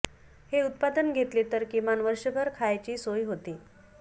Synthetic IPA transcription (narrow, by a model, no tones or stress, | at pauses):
heut̪̚pad̪ənɡʱet̪let̪əɾkimanʋəɾʂəbʱəɾkʰajt͡ɕiːsojɦot̪iː